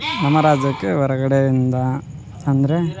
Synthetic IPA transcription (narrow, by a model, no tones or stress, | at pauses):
nɐmɐɾaːd͡ʒɐkːɯʋɐɾɐɣɐɽeind̪ɐː | nd̪ɐɾe